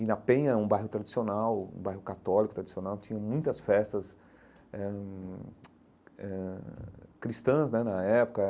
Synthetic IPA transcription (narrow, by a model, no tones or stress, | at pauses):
ɪnɐpẽɲɐũbajɦʊt̪ɾad͡ʒisionawṵ̃bajɦʊkat̪ɔlikʊt̪ɾad͡ʒisionawt͡ʃĩɲɐ̃mũj̃t̪ɐsfɛst̪ɐs | ɛ | ɛ | kɾist̪ɐ̃znɛnɐɛpʊ̥kɐ